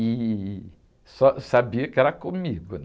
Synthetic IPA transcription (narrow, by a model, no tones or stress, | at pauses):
i | sɔsabiɐkɪɛɾɐkõmiɡʊ